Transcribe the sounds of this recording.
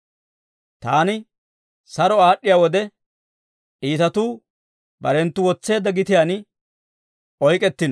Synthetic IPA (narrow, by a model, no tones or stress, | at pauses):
t̪aːnɪ | sɐɾɔaːɗːɪjaːwɔd̪ɛ | ʔiːt̪ɐt̪uː | bɐ̰ɾɛnt̪ːʊwɔt͡sːe̞ːd̪ːɐɡɪt̪ɪjan | ʔɔjkʼɛt̪ːɪn